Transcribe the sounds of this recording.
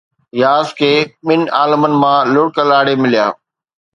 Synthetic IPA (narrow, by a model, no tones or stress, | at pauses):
jaːskʰeːɓɪnaːləmənɪ̆mãlʊɽkəlaːɽemɪlijaː